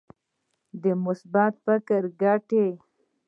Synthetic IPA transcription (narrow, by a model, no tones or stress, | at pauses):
d̪əmʊsbat̪fakəɾɡaʈe